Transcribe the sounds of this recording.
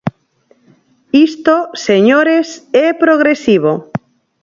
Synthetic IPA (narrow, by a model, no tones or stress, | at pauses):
ist̪oseɲoɾesɛpɾoɣɾesiβ̞o